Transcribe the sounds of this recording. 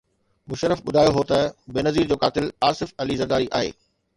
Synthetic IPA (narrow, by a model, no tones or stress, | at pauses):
mʊʃəɾəfɓʊd̪ʱaːjoɦoːt̪ɐbeːnɐziːɾd͡ʑoːkaːt̪ɪlaːsɪfɐlizɐɡ̪aːɾiʔa̰ːɦḛː